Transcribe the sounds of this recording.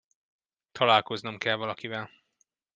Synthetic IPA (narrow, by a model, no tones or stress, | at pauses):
t̪ʰɒlaːlko̞znɒmkɛlvɒlɒkivɛl